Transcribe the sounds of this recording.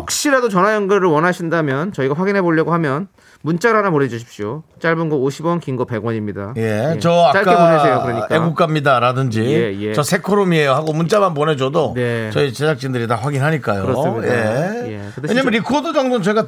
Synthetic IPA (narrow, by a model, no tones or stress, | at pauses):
jok̚ɕ͈iɾadot͡ɕʌnajʌnɡɯɾɯɭwʌnɦaɕʰindamjʌnt͡ɕʌiɡaɸwaɡinɦe̞boʎːʌɡohamjʌn | munt͡ɕ͈aɾanamoɾed͡ʑuɕʰi̥p̚ɕ͈iot͡ɕ͈aɭbɯnɡooɕʰibʌnkiŋɡʌpe̞ɡwʌɲimɲida̰je̞t͡ɕʌat͡ɕaɭk͈aeponɦesʰejokɯɾʌɲik͈eɡuk͈amɲidaɾadɯnd͡ʑiejet͡ɕʌsʰe̞kʰoɾomiejoɦaɡomunt͡ɕ͈amanponɦe̞d͡ʑʌdonet͡ɕʌit͡ɕed͡ʑak̚t͡ɕ͈indɯɾitaɸwaɡinɦaɲik͈ajoɯɾʌɯmɲiejḛkɯteweɲamjʌnɾikʰodod͡ʑʌŋdonnt͡ɕʌiɡa